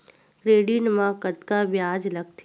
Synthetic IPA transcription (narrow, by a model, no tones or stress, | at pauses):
kɾeːɖinmãkɐt̪kabjaːd͡ʒlɐɡ̚t̪ʰ